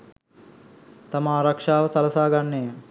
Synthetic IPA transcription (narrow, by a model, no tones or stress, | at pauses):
t̪amaːɾɐkʂaːʋəsɐlɐsaːɡanːejə